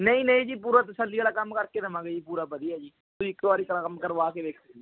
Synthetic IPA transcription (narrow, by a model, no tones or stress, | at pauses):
nəĩːnəĩːd͡ʒiːpuːɾaːt̪əsəlːiaːlaːkəmkəɾkeːd̪əmãːɡəipuːɾaːbəd̪iːɦɛːd͡ʒiː | t̪ʊiɪkt̪aːɾiːkkəmkəɾʋaːkeːʋeːkʰi